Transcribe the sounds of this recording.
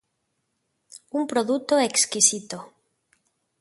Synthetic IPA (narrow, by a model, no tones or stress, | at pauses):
umpɾoðut̪oekskisit̪o